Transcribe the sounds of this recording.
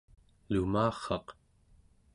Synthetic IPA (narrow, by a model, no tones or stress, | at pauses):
lumaːχːɑq